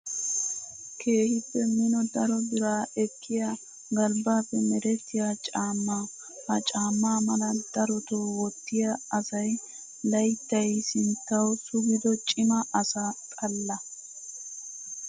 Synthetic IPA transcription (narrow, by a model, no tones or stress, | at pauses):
kʰe̞ːhɪpːɛmɪnɔd̪ɐɾɔbɪɾaːɛkːɪja | ɡɐlbaːpːɛmɛɾɛt̪ːɪjaːt͡ʃʼaːmːaː | hɐt͡ʃʼaːmːaːmɐlɐd̪̥ɐɾɔt̪oːwɔt̪ːɪjaɐsɐj | lɐjt̪ːɐjsɪnt̪ːɐwsʊɡɪd̪ɔt͡ʃʼɪmɐʔɐsatʼɐlːɐ